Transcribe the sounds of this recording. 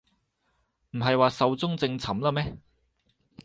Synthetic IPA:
m̩˨˩ɦɐ˨jwaː˨sɐ˨˧wt͡sʊ˥ŋt͡sɪ˧ŋt͡sʰɐ˨˥mlaː˥mɛː˥

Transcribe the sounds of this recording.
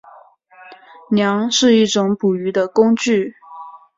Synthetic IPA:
njɑ˧˥ŋʂɻ̩˥˧i˥˩ʈ͡ʂʊ˨˥ŋpu˨˩y˧˥d̪ə˧kʊ˥ŋt͡ɕy˥˩

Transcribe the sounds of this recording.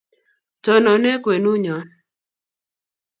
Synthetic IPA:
tɔ˨nɔ˨nɛ˦kwe˨nu˦ɲɔ˨˦n

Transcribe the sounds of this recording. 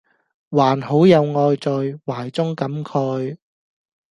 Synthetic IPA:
waː˨˩nho˨˥wjɐ˨˧wŋɔː˧jt͡sɔ˨jwaː˨˩jt͡sʊ˥ŋkɐ˨˥mkʰœ˨˧ɥ

